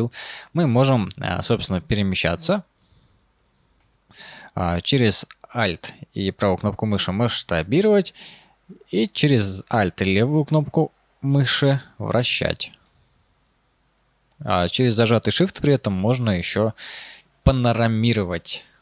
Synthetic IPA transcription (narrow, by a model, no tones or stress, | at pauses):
lˠmɨmo̞ʐɨm̰so̞psʲɪnəpʲɪɾʲɪmʲɪɕːæ̰t̪sə | t͡ɕeɾʲɪz̥alʲt̪ipɾavukno̞p̚kʊmɨʂɨmɨʂt̪ɐbʲiɾəvətʲ | it͡ɕɪɾʲɪzalʲt̪ɪlʲevʊjʊkno̞p̚kʊ | mɨʂɨvɾɐ̰ɕːæ̰tʲ | t͡ɕɪɾʲɪzːɐʐat̪ɨjʂɨft̪pɾʲɪɛt̪əmːo̞ʐnəjɪɕːo | pənəɾɐmʲiɾəvətʲ